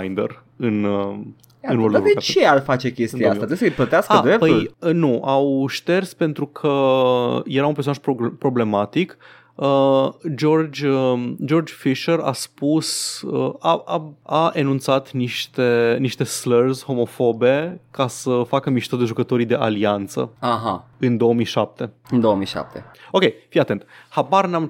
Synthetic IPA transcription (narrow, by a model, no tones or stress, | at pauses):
jnd̪ḛr | ɨn | ɨnolud̪ekat͡ʃearfat͡ʃe̞kʲestɨioasat̪ɾesəjplət̪easkaəɾep̚pəj̪ulənuʔawʃt̪e̞rspe̞nt̪ɾukʰə | je̞ɾaunpesonaʃpopɾo̞ble̞mat̪ik | əd͡ʒo̞rd͡ʒʲd͡ʒo̞rd͡ʒfiʃəɾa̰spusəaaaʔenunt̪sat̪niʃt̪eniʃt̪e̞slərzʲho̞mo̞fo̞be̞kasəfakəmiʃt̪əd̪eʒukət̪o̞ɾid̪e̞ʔaliant̪sə̰aɦaɨnd̪o̞əmijʃap̚t̪e̞ɨnd̪oəmiʃa̰p̚t̪eo̞kʲejfijat̪e̞nt̪habaɾnam